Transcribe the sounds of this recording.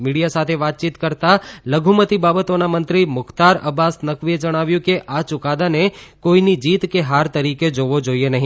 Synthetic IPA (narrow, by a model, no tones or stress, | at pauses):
miɽijasat̪ʰeʋat̪̚t͡ʃit̪kəɾt̪aləɡʱumət̪ibabət̪onamənt̪ɾimʊkt̪aɾə̰basnəkʋied͡ʒəɽ̃aʋjũkeʔat͡ʃʊkad̪anekoinid͡ʒiːt̪keɦaɾt̪əɾiked͡ʒoʋod͡ʒoienəɦĩ